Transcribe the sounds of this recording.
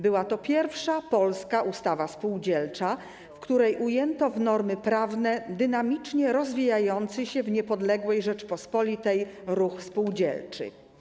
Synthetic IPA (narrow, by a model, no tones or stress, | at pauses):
bɘwat̪ɔpʲjɛɾfʂapɔlskaʔust̪avaspuwd͡ʑɛlt͡ʂa | fkt̪uɾɛjʔujɛnt̪ɔvnɔɾmɘpɾavnɛd̪ɘnamʲit͡ʂɲɛɾɔzvʲijajɔnt̪sɛɕɛvɲɛpɔd̪lɛɡwɛjʐɛt͡ʂpɔspɔlʲit̪ɛjɾuxspuwd͡ʑɛ̰lt͡ʂɘ̰